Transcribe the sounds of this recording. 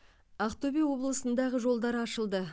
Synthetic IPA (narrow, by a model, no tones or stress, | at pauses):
ɑqt̪obijwo̞blˠəsənd̪ɑʁəʒo̞lˠd̪ɑɾɑʃəlˠd̪ə